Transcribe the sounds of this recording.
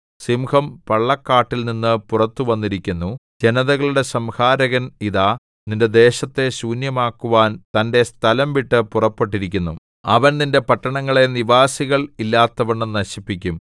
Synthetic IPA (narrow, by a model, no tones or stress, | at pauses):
simhɐmpɐɭːɐkːaːʈːilninːɨpurɐt̪ːuʋɐnːiɾikʲːunːud͡ʑe̞nɐðɐɣɐɭuɽe̞sɐmhaːɾɐɣɐniðaː | ninde̞d̪e̞ːɕɐt̪ːe̞suːnjɐmaːkːuʋaːnt̪ɐnde̞st̪ʰɐlɐmʋiʈːɨpurɐpːe̞ʈːiɾikʲːunːu | ɐʋɐnninde̞pɐʈːɐɳɐŋːɐɭe̞niʋaːsiɣɐɭilːaːt̪ːɐʋɐɳːɨnɐɕipːikʲːum